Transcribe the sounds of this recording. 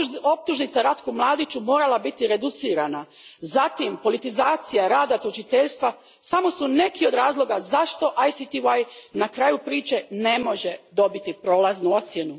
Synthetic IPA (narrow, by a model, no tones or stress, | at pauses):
o̞p̚t̪uʒnit̪aɾat̪kumlˠaːd̪it͡ʃumo̞ːɾalˠabit̪iɾe̞d̪ut̪siːɾana | zat̪impo̞lit̪izaːt̪sijaɾaːd̪at̪ot͡ʃit̪e̞ʎst̪ʋa | samo̞sune̞kio̞d̪ɾaːzlˠo̞ɡazaʃt̪o̞ʔajsit̪iuajnakɾaːjupɾiːt͡ʃe̞ne̞mo̞ʒed̪o̞bit̪ipɾo̞ːlaznuo̞t̪sjenu